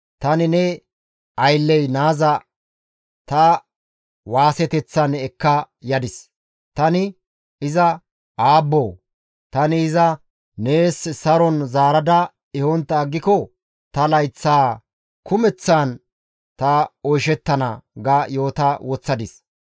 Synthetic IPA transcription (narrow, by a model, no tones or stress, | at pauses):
t̪ɐnɪnɛ | ɐjlːɛjnaːzɐ | t̪ɐ | waːsɛt̪ɛt͡sːɐnɛkːɐ | jɐd̪ɪs | t̪ɐnɪ | ɪzɐ | aːbːoː | t̪ɐnɪːzɐ | neːssɐɾɔnzaːɾɐd̪ɐ | ɪhɔnt̪ːɐːɡːɪkɔ | t̪ɐlɐjt͡sːaː | kʊmɛt͡sːan | t̪ɐɔjʃɛt̪ːɐnɐ̰ɡɐjo̞ːt̪ɐwɔt͡sːɐd̪ɪs